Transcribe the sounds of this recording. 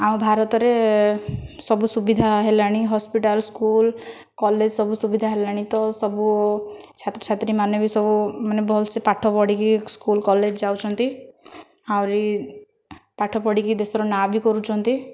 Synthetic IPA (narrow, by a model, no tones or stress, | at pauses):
aw̃bʱaɾɔt̪ɔɾe | sɔbusubid̪ʱaɦelaɽ̃iɦɔspiʈalskul | kɔled͡ʒsɔbusubid̪ʱaɦelaɽ̃it̪ɔsɔbut͡ʃʰat̪ɾt͡ʃʰat̪ɾimanɔbisɔbumanebɔlsepaʈʰɔpɔɽikiskulkɔled͡ʒd͡ʒawt͡ʃʰɔnt̪i | awɾi | paʈʰɔpɔɽikid̪esɔɾɔnabikɔɾut͡ʃʰɔnt̪i